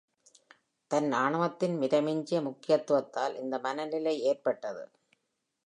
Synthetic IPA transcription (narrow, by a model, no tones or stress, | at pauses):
t̪ɐnaːɳɐʋɐt̪ːɪnmɪɾɐmɪɲd͡ʒɪjɐmʊkːɪjɐt̪ːʊʋɐt̪ːaːlʔɪnd̪ɐmɐnɐlɪlɐɪeːrpɐʈːɐðɯ̰